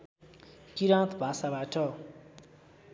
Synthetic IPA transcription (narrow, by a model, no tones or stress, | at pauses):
kiɾãt̪ʰbʱasabaʈʰʌ